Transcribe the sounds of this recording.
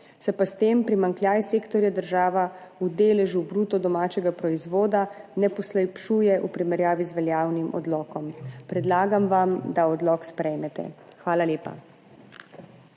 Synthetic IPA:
sɛpast̪eːmpɾimaŋkljaːjseːkt̪ɔɾjad̪əɾʒaːʋaud̪eːlɛʒubɾuːt̪ɔd̪ɔmaːt͡ʃɛɡapɾɔizʋoːd̪anɛpɔslɛjpʃuːjɛʔupɾimɛɾjaːʋizʋɛljaːwnimʔɔ̰d̪lɔːkɔmpɾɛd̪laːɡamʋamd̪aɔd̪lɔkspɾɛjmɛt̪ɛ̰ | xʋaːlalʲeːpa̰

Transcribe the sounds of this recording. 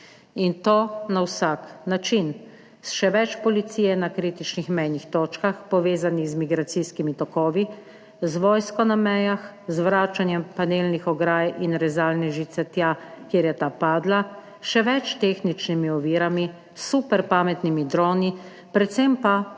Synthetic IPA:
int̪oːnawsaknat͡ʃin | sʃɛʋɛt͡ʃpɔlit̪siːjɛnakɾiːt̪it͡ʃnixmɛjnixt̪oːt͡ʃkaxpɔʋeːzanixzmiɡɾat̪siskimit̪ɔkɔːʋi | zʋɔːjskɔnamɛjax | zʋɾaːt͡ʃanjɛmpanelnixɔɡɾaːjinɾɛzaːlnɛʒit̪sɛt̪jakjeːɾjɛt̪aːpaːd̪la | ʃɛʋɛt͡ʃt̪eːxnit͡ʃnimiɔʋiːɾami | supɛɾpaːmɛt̪nimid̪ɾɔːni | pɾɛt̪sɛmpa

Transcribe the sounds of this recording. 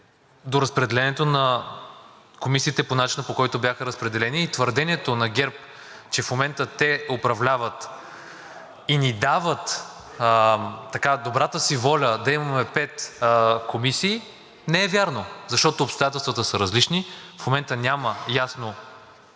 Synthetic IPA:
d̪oɾɐspɾɛd̪ɛlɛnɛt̪onɐ | komisiːt̪ɛponat͡ʃinəpokɔjit̪obʲjaxəɾɐspɾɛd̪ɛlɛniːt̪vəɾd̪ɛniɛt̪onɐɡʲɛɾp̚ | t͡ʃɛfmomɛnt̪ət̪ɛopɾɐvlʲavət̪ | inid̪avət̪ | t̪ːɐkad̪obɾat̪əsivɔlʲəd̪ɐimɐmɛpɛt̪komisiː | nɛɛvʲjaɾnozɐʃt̪ɔt̪oːpst̪ojat̪ɛlˠst̪vət̪əsəɾɐzlit͡ʃnifmomɛnt̪ənʲaməjasno

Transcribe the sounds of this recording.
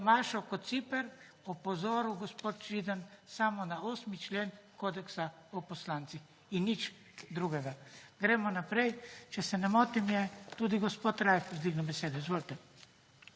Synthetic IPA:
maːʃɔkɔt̪t̪sipɛɾ | ɔpɔzoːɾuɡɔspoːt̪̚t͡ʃid̪ansamɔnaoːsmit͡ʃleːnkoːd̪ɛksaɔpɔslaːnt̪six | inːit͡ʃ | d̪ɾuɡɛɡaɡ̥ɾɛːmɔnapɾɛjt͡ʃɛsɛnɛmoːt̪imjɛt̪ud̪iɡɔspoːt̪ɾajfzd̪ʋiɡnɛbɛseːd̪ɛizʋoːlt̪ɛ

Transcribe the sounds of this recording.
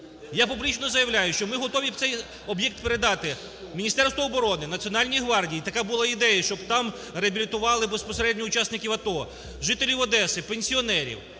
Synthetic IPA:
japublʲit͡ʃnɔzɐjɐwlʲajʊʃt͡ʃɔmɪɦɔt̪ɔʋʲiwt̪sɛj | ɔbjɛk̚t̪peɾed̪ɑt̪ɪ | mʲinʲist̪ɛrst̪ʋɔːbɔɾɔnɪnɐt͡sʲiɔnɑlʲnʲijɦʋɑrdʲijit̪ɐkabʊlˠɑid̪ɛjɐʃt͡ʃɔbt̪ɑm | reɐbʲilʲit̪ʊʋɑlˠɪbespɔseɾɛdʲnʲɔʊt͡ʃɑsnɪkʲiwɐt̪ɔ | ʒɪt̪elʲiwɐd̪ɛsɪpenʲsʲiɔnɛɾʲḭw

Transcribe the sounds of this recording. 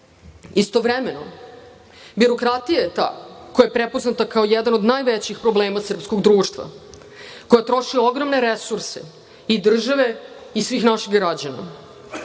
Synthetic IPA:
ist̪o̞ʋɾemeno̰ | biɾo̞kɾat̪ijajet̪a̰ːkojajepɾepo̞znat̪akao̞jɛd̪ano̞d̪naːjʋet͡ɕixpɾo̞bleːmasr̩psko̞ɡd̪ɾuːʃt̪ʋa̰ | ko̞jat̪ɾo̞ʃio̞ɡɾomneɾesuɾse | id̪r̩ʒaʋe̞isʋiːxnaʃiɡɡɾad͡ʑana̰

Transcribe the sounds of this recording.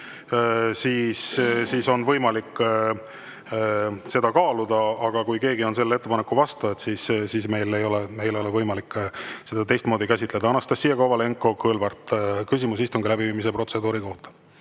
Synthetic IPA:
siːssiːso̞nvɤjmɑlikː | se̞d̪̥ɑkɑːlud̪̥ɑːɡ̥ɑkujke̞ːɡio̞ns̬e̞lːe̞t̪ːe̞pɑnekːˑuvɑst̪uet̪sissisme̞jle̞jo̞leme̞jlo̞levɤjmɑlikːˑse̞d̪̥ɑt̪e̞jst̪mo̞ːd̪ikæs̬ʲit̪ˑle̞d̪ɑɑnɑst̪ɑsːiːjɑkovɑle̞ŋkːo̞kɯlvɑrt̪kys̬ʲimus̬ist̪uŋɡilæbiviːmis̬epro̞t̪se̞d̪uːɾiko̞ht̪ɑ̥

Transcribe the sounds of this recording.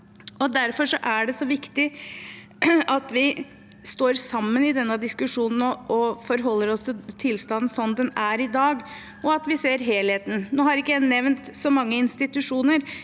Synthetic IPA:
ɔd̪æɾfɔʂɔʔæɖɛsɔʋɪkt̪ɪ | ɑt̪ʋɪ | st̪oːɾsɑmːənɪd̪ɛnːəd̪ɪskʉʂuːnən̩ɔɔfɔɾɦɔlːəɾɔst̪ʰɪlt̪ʰɪlst̪ɑnn̩sɔnːd̪ɛnæɾɪd̪ɑːɡ | ɔɑt̪ʋɪseːɾɦeːlheːt̪n̩noːhɑɾɪkːəæɪnɛʋnt̪sɔmɑŋːəɪnst̪ɪt̪ʉʂuːnəɾ

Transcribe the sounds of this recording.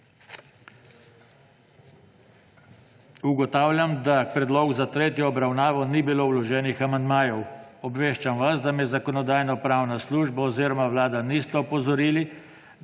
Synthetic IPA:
uɡɔt̪aːwlʲjamd̪apɾɛd̪lɔːɡuzat̪ɾeːt̪jɔːbɾawnaːʋɔnibilowlɔʒɛːnixamand̪maːjɔwɔbʋeːʃt͡ʃamʋazd̪amɛzakɔnɔd̪aːjnɔpɾawnasluːʒbaɔziːɾɔmawlaːd̪anist̪ɛɔpɔzɔɾiːli

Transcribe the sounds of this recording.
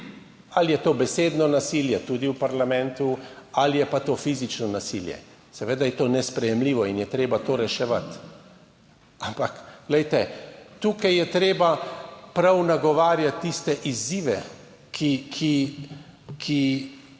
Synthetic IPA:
alijɛt̪oːbɛseːd̪nɔnasiljɛt̪uːd̪iwpaɾlamɛ̃nt̪ualijɛpat̪oːfizit͡ʃnɔnasiljɛ̰ | sɛʋeːd̪ajɛt̪oːnɛspɾɛjɛmliːʋɔinjɛt̪ɾeːbat̪oːɾɛʃɛʋat̪ | ampakɡ̥lɛjt̪ɛt̪uːkajjɛt̪ɾeːbapɾawnaɡɔʋaːɾjat̪ːist̪ɛʔiziːʋɛ | kʰikʰi | kʰi

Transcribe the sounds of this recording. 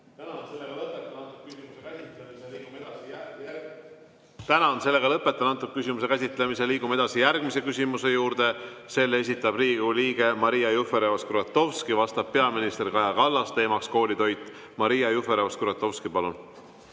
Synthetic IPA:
æ | t̪ːnt̪ukkyemː | t̪ænɑonse̞lːe̞ɡ̥ɑlɤpːˑe̞t̪ːˑɑnɑnt̪ːuk̪̚kys̬ʲimuse̞kæs̬ʲit̪ˑlemis̬eliːɡume̞d̪ɑsijærɡ̥mise̞kysʲimuse̞juːɾt̪e̞se̞lːe̞s̬ʲit̪ːˑɑbri̥ːuliːɡ̥e̞mɑɾijɑjufe̞ɾeoskɾɑt̪ːˑo̞vskivɑst̪ɑb̥̚pe̞ɑminist̪e̞rkɑjɑkɑlːɑst̪e̞ːmɑksko̞ːlit̪o̞jt̪ːˑ | mɑɾijɑjufeɾeoskɾɑt̪ːˑo̞vskipɑlun

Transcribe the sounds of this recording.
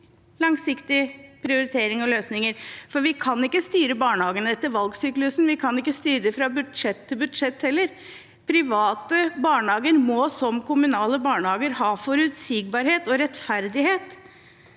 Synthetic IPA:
lɑŋsɪkt̪ɪpʰɾɪʊɾɪt̪ʰeːɾɪŋɔløːsnɪŋəɾfɔɾʋɪkʰɑnɪkːəst̪yːɾəbɑːɳəhɑːɡənəɛt̪ːəɾʋɑlɡsyːklʉsnʋɪkʰɑnɪkːəst̪yːɾəfɾɑbʉd̪ʂɛt̪ʰːɪlbʉd̪ʂɛt̪ːhɛlːəɾ | pʰɾɪʋɑːt̪əbɑːɳəhɑːɡəɾmɔsɔmkʰʊmʉnɑːləbɑːɳəhɑːɡəɾhɑːfɔɾʉːt̪sɪɡ̚bɑɾheːt̪ɔɾɛt̪fæɾd̪ɪheːt̪

